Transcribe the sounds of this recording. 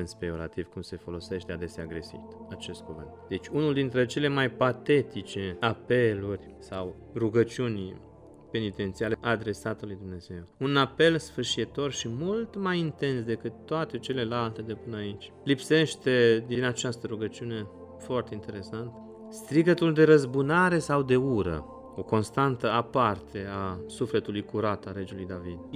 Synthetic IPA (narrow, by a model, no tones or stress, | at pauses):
nspeoɾa̰t̪iv̥kumse̞fo̞lo̞se̞ʃt̪ead̪e̞seaɡɾe̞sḭt̪at͡ʃe̞st̪̚kuvɨ̰nt̪d̪e̞t͡ʃʲunuld̪int̪ɾe̞t͡ʃe̞le̞majpat̪e̞t̪it͡ʃe̞ape̞lurʲ | saw | ruɡət͡ʃiunʲ | pe̞nit̪e̞nt̪sialeʔad̪ɾe̞sat̪əlujd̪umne̞ze̞wunape̞lsfɨrʃit̪o̞rʃimult̪majint̪e̞nsd̪e̞kɨt̪ːoat̪e̞t͡ʃe̞le̞lalt̪e̞d̪epɨnəait͡ʃʲ | lipse̞ʃt̪e̞d̪inat͡ʃast̪əɾuɡət͡ʃiune̞ | foart̪e̞int̪e̞ɾe̞sant̪ | st̪ɾiɡət̪uld̪e̞ɾəzbunaɾe̞sawd̪e̞uɾə̰ | o̞ko̞nst̪ant̪əapart̪ʰe̞asufle̞t̪ulujkuɾat̪aɾe̞d͡ʒulujd̪avid̪̚